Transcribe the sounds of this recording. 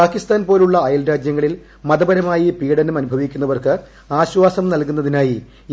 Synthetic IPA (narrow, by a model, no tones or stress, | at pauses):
aːkist̪aːnpo̞ːluɭːɐːjɐlɾaːd͡ʑjɐŋːɐɭil | mɐðɐbɐɾɐmaːjipiːɽɐnumɐnubʱɐʋikʲːunːɐʋɐrkɨ | aːɕwaːsɐmnɐlkunːɐðinaːji